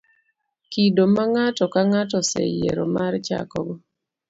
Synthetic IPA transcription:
kidomaŋatɔkaŋatɔsɛ̰jḛɾomaɾt͡ʃa̰kɔbɔ

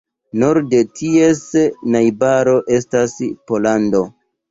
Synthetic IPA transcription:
noɾde̞tʰie̞snajbaɾo̞ʔe̞staspo̞lando̞

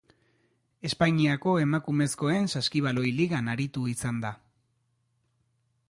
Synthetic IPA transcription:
e̞spaɲiako̞e̞makume̞sko̞e̞nsaskiβ̞alo̞jliɣanaɾit̪uisand̪a

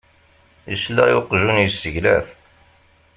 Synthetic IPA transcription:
jəslæjʊqʒunjəsːəʝlæ̰θ

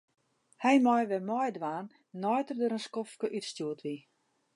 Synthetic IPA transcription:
hɛjmɔjʋɛmɔjdʋaːnː | ɔjtərdøːɾənskɔfkəʔytstjuətʋi

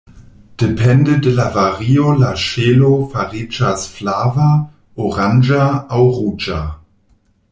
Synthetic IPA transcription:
d̥epʰɛndedelavaʁiolaʃelofaʁid͡ʒasflava | oʁand͡ʒaawʁud͡ʒa

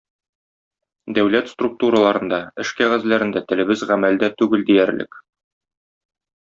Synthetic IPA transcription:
d̪æwlæt̪st̪ruk̚t̪uɾəlˠɑɾɤ̆nd̪ɑɘʃkæʁæzlæɾɘ̆nd̪æt̪ɘ̆lɘ̆bɘzʁæmæld̪æt̪ʉɡɘld̪ijæɾlɘ̰k

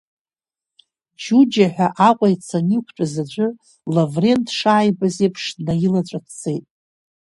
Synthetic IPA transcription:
d͡ʒud͡ʒaħʷᶣaʔaqʷʼajt͡sʰanikʷʰt͡ʃʷʼazad͡ʒʷʼʊ | lavre̞ntʰʂaːjbazepʰʂdnajilat͡ɕʷʼatʰt͡sejtʼ

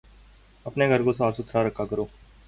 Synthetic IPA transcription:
əpneɡʱəɾkoːsaːɾsʊt̪ʰɾaːɾəkʰːaːkəɾoː

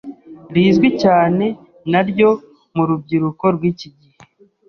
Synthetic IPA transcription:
ɾiːzɡwicaːne̞ | naɾɟo̞ | muɾub̚ɟiɾuko̞ɾɡwiːciɟihe

